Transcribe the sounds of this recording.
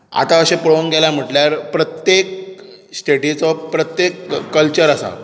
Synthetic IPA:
a̰t̪aəɕepəɭonɡeljam̤əʈljaɾpɾət̪jek̚ | sʈeʈit͡sɔpɾət̪jekːəlt͡ɕəɾəsa̰

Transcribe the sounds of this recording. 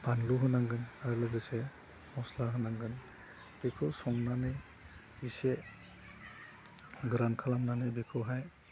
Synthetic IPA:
b̥anluɦɯnaŋɡɯnaɾlɯɡɯse | mɔslaɦɯnaŋɡɯn | b̥ekʰɯwsɔŋnanɯj | ise | ɡɾankʰalamnanɯjbekʰɯwɦaj

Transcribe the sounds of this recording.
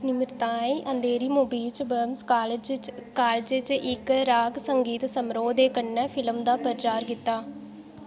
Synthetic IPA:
nɪmɪɾt̪ãːẽːʔənd̪eːɾiːmoːbiːt͡ʃbəːmskaːld͡ʒkaːld͡ʒt͡ʃʔɪkɾaːɡsəŋɡiːt̪səmɾoːd̪eːkəɳːɛːpʰɪləmd̪aːpəɾt͡ʃaːɾkɪt̪ːaː

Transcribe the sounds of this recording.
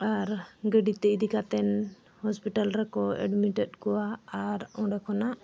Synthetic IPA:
aɾɡɛɖit̪ɛʔd̪ikat̪ɛn | hɔspiʈalɾɛkɔɛ̰ɖmiʈɛɗkɔwaaɾɔ̃ɖɛkɔnaʔ

